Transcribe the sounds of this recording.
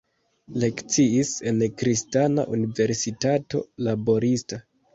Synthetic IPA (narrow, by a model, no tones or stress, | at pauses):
le̞kt͡siise̞nkɾistana̰ʔunive̞ɾsitato̞̰labo̞ɾista